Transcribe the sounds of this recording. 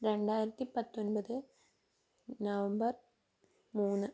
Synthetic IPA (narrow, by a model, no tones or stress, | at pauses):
ɾe̞ɳɖaːjiɾɐt̪ːipɐt̪ːonbɐðɨ | nɐʋɐmbɐr | muːnːɨ